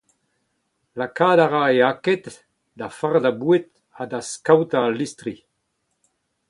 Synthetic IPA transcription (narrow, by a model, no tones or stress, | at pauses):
lakadaʁaeakɛt̪ | d̪afaʁd̪abuet̪ | ad̪askawt̪alist̪ɾi